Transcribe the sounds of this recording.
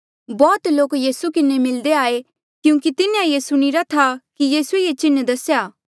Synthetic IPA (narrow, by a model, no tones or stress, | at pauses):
bɔːt̪loːkjiːsukɪnemɪld̪eaːe | kjũːkit̪ɪnjãjesʊɽ̃iɾat̪ʰakijiːsuejet͡ʃɪnːd̪ɐsjaː